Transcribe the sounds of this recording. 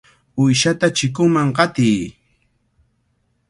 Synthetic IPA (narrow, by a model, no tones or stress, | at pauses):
ʊjʃat̪at͡ʃɪkʊŋmaŋɢɑt̪ɪj